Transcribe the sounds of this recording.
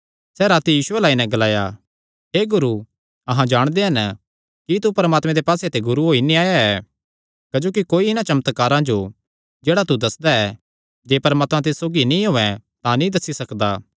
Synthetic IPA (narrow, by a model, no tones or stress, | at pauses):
sɛːɾaːt̪ijiːsʊɛlaːinɛ̃ɡɐlaːja̰ | ɦeːɡʊɾu | ɐɦãd͡ʒaːɽ̃d̪eɦɐn | kit̪upɐɾmaːt̪mẽd̪epaːset̪eɡʊɾuɦoːinĩaːjaɛ | kɐd͡ʒoːkikoːiɪnãt͡ʃɐmət̪kaːɾãd͡ʒo | d͡ʒeːɽat̪ud̪ɐsd̪aɛː | d͡ʒeːpɐɾmaːt̪mãt̪ɪssoːɡinĩɦoːɛ̃t̪ãnĩd̪ɐsːisɐkd̪aː